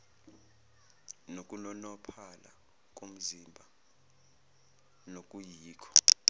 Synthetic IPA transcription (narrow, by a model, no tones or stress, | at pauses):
nokʼunɔnɔpʰala̰ | k̬ʼom̩zimbʱa | nok̬ʼujiːkʰɔ̥